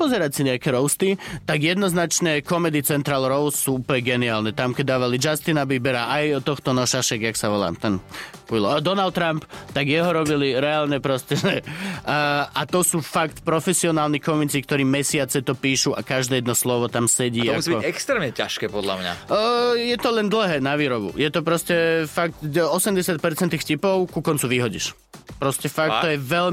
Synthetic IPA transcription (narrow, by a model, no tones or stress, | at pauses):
pɔzɛɾacsiɲɛakɛɾɔʊst̪it̪aɡjɛd̪nɔznat͡ʃnɛːkɔmɛd̪it͡sɛnt̪ɾaːlɾɔʊssuːuplɲɛɡɛniaːlnɛt̪amkɛd̪aːʋalid͡ʒast̪inabiːbɛɾaʔajɔt̪ɔxt̪ɔnɔʃaʃɛɡjaksaʋɔla̰ːmt̪ɛnujlɔd̪ɔnalt̪ːɾampt̪aɡjɛɦɔɾɔbiliɾɛaːlɲɛpɾɔstɛʒɛ | at̪ɔsuːfakt̪pɾɔfɛsiɔnaːlnikɔmit͡sikt̪ɔɾiːmɛsɪat͡sɛt̪ɔpiːʃuʔakaʒd̪ɛːjɛd̪nɔslɔʋɔt̪amsɛɟiːɔmausiːbiɛkst̪ɾɛːmɲɛcaʃkɛːpɔd̪la̰mɲa̰əjɛt̪ɔlɛnd̪l̩ˠɦɛːnaʋiːɾɔbṵjɛt̪ɔpɾɔscɛfak̚t̪ɔsɛmɟɛsɪat̪̚pɛɾt͡sɛnt̪iːxfcipɔʊkukɔnt͡suʋiɦɔɟḭʃ | pɾɔscɛfaktt̪ɔjɛʋɛʎ